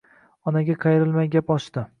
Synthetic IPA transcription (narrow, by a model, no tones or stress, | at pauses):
ɒnaɡʲaqʰɑjɪɾɪlmajɡʲapɒʃt̪ɪ